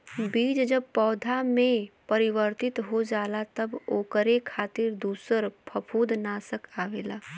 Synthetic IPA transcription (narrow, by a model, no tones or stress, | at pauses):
biːd͡ʒd͡ʒəb̚pɔːd̪ʱamẽpɐɾɪʋəɾt̪ɪt̪ɦod͡ʒaːlat̪ɐboːkəɾekʰaːt̪ɪɾd̪uːsəɾpʰɐpʰuːd̪naːsəkʰaːʋeːlaː